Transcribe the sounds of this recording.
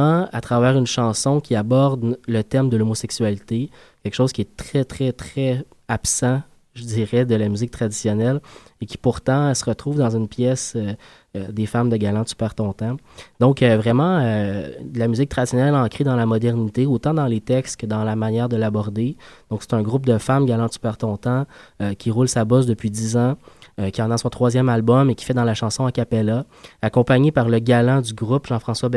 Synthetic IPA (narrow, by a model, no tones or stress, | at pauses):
ãat̪χavɛːʁynʃɑ̃sɔ̃kʲiabɔʁd̪lət̪ɛʁmd̪əlomosɛksɥalit̪e | kʲɛlkə̥ʃoːz̥kʲiɛt̪χɛt̪χɛt̪χɛ | apsɑ̃ | ʒədd͡z̪iːʁɛd̪əlamyzɪk̚t̪χad̪isjɔnɛlekʲi̥puʁt̪ɑ̃səʁət̪χuːvd̪ɑ̃zynpjɛsø | d̪efamd̪əɡalɑ̃sy̥pɛːʁt̪ɔ̃t̪ɑ̃d̪̥ɔ̃køvʁɛmɑ̃ølamyzɪk̚t̪χad̪zisjɔnɛlɑ̃kʁed̪ɑ̃lamɔd̪ɛʁnit̪eot̪ɑ̃d̪ɑ̃let̪ɛkst̪kəd̪ɑ̃lamanjɛːʁd̪əlabɔʁd̪ed̪̥ɔ̃kse̥t̪ɛ̃ɡʁup̚d̪əfamɡalɑ̃sy̥pɛʁt̪ɔ̃t̪ɑ̃økʲʰiʁulsabɔs̬d̪əpɥid̪izɑ̃økʲiɑ̃nasɔ̃t̪χwazjɛmalbɔmekʲi̥fɛd̪ɑ̃laʃɑ̃sɔ̃akapɛla | akɔ̃paɲepaʁləɡalɑ̃d̪yɡʁupʒɑ̃fχɑ̃swabɛ